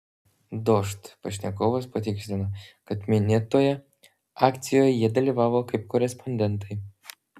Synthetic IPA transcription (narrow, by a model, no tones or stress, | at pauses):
d̪oʃt̪pɐʃʲnʲɛkoːʋɐspɐt̪ʲɪksʲt̪ʲɪnoːkɐt̪mʲɪnʲeːt̪oːjɛ | ɑːkt̪sʲɪjoːjɛjiɛd̪ɐlʲiːʋɑːʋoːkɐɪp̚kɔɾʲɛspʰɔnʲd̪ʲɛnˑt̪ɐɪ